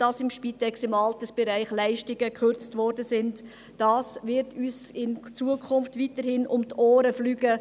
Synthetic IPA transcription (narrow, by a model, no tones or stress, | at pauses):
d̥ɑsɪmʃpitɛksɪmɑltəsb̥ɛɾæɪχlæɪʃtɪɡəkʰχøɾt͡stvɔːɾdəsɪntː | ɑːsʋɪɾtʰyːsɪnt͡suəkʰʊnftʋitəɾhɪnʔʊmtʰoːɾəflyːɡə